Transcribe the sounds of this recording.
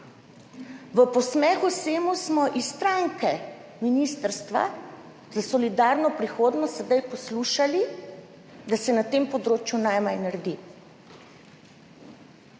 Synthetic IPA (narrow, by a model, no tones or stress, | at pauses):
ʋəpɔsmɛːxuseːmusmɔʔisːt̪ɾaŋkɛ | minist̪əɾst̪ʋa̰ | zasɔlid̪aːɾnɔpɾixoːd̪nɔst̪ɛd̪ajpɔsluːʃali | d̪asɛnat̪eːmpɔd̪ɾoːt͡ʃjunajmajnaɾd̪i